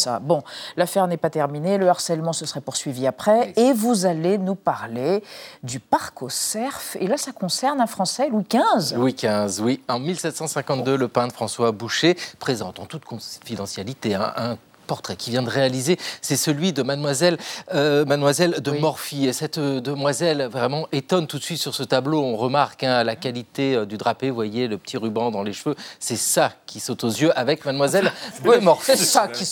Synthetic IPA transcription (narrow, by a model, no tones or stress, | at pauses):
sa̰bɔ̃lafɛʁnɛpat̪ɛʁmineləaʁsɛlmɑ̃səsəʁɛpuʁsɥiviapχɛːvuzalenupaʁled̪ypaʁkosɛʁfelasakɔ̃sɛʁnɛ̃fχɑ̃sɛlwikʲɛ̃zwikʲɛ̃zwiɑ̃milsɛt̪sɑ̃sɛ̃kɑ̃t̪d̪øləpɛ̃d̪fχɑ̃swabuʃepχezɑ̃t̪ɑ̃t̪ut̪kʰɔ̃fid̪ɑ̃sjalit̪eɛ̰̃ʔɛ̃ | pɔʁt̪χɛkʲivjɛ̃d̪əʁealizesɛsəlɥid̪əmad̪mwazɛlmad̪mwazɛld̪əmɔʁfiesɛt̪d̪əmwazɛlvʁɛmɑ̃ʔet̪ɔnt̪ut̪sɥit̪syʁsət̪abloɔ̃ʁəmaʁkɛ̃lakalit̪eød̪yd̪ʁapevwajeləpə̥t̪ʰiʁybɑ̃d̪ɑ̃leʃføsɛsakʲʰisot̪ozjøʔavɛkmad̪mwazɛld̪əmɔʁfsaki